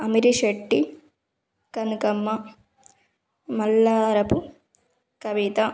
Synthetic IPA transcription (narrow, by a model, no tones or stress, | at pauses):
ɐmiɾiʂeʈːi | kɐnukɐmːɐ | mɐlːaːɾɐpu | kɐʋit̪a